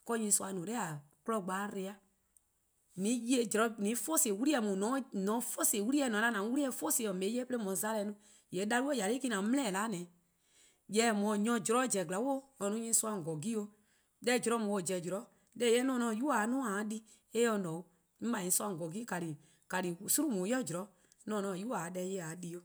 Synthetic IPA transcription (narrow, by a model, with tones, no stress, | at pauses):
kɔ˧˦ɲĩ˧˦su˧a˧nũ˨lɛ˦a˨klɔ˧˨ɡ͡baː˨˦ɾe˧˦a˦ | nĩ˨˦je˧˦˨d͡ʒɔ˨ɾɔ˧˦nĩ˨˦fo˦se˨wu˦ɾi˦ɛ˧˨mũ˨nɔ̃˨˦nɔ̃˨˦fo˦se˨wu˦ɾi˦ɛ˧˨nɔ̃˨˦la˦nã˨˦wu˦ɾi˦ɛ˧˨fo˦se˨ɔ˨mẽ˨˦ɛ˦pe˦le˦mɔ̃˨˦za˦lɛ˧˦nũ˧˦ | jɛ˨˦da˧lu˦o˦˨ja˨le˦ki˦˧nã˨˦m̃˦ɛ̃˦˨laː˨˦nɛ̃ː˨˦ | jɛ˨˦mɔ̃˨ɲɔ̃˧˨d͡ʒɔ˨ɾɔ˨˦d͡ʒɛ˨ɡla˨˦wo˦ɔ˧nũ˦ɲĩ˧˦su˦ã˧˨ŋ˨ɡɔ˨ɡi˦o˧ | dɛ˧˦d͡ʒɔ˨ɾɔ˨˦mũ˨wo˨d͡ʒɛ˨d͡ʒɔ˨ɾɔ˨˦ | dɛ˦jɛ˦nɔ̃˦nɔ̃˧˨ju˦a˨˦nũ˦a˨˦di˦ | e˦ɔ˧nɔ̃˨o˨ | ĩ˦ɓa˨ɲĩ˧˦su˦ã˧˨ŋ˨ɡɔ˨ɡi˦ka˨ɾi˨ | ka˨li˨su˦ɾũ˦mũ˨˦jɔ˦˨d͡ʒɔ˨ɾɔ˨˦ | nɔ̃˨˦nɔ̃ː˧˨ju˦a˨dɛ˧jɛ˧˦˨a˨di˧˦o˧